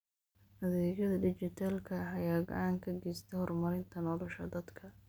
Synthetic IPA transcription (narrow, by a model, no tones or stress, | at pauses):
hɐðɛːɡɐðɐɖɪt͡ʃɪt̪ʰaːlkʰɐħɑjaːɡɐ̰ʕaːŋkʰɐɡɛst̪ʰɛhɔrmɐɾɪnt̪ʰɐnɔːlɔʃɐ̰d̪ɐd̪kʰɐ